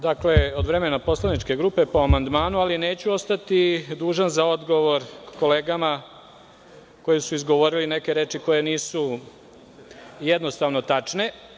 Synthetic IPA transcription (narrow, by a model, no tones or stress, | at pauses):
d̪akleod̪ʋɾe̞menapo̞slˠanit͡ʃke̞ɡɾupe̞po̞amand̪maːnualine̞ːt͡ɕuo̞st̪at̪id̪uːʒanzao̞d̪ɡo̞ʋo̞ɾkko̞leːɡama | ko̞jisuizɡo̞ʋo̞ɾiline̞ke̞ɾe̞ːt͡ʃiko̞jeniːsu | jed̪no̞st̪aʋno̞t̪at͡ʃne̞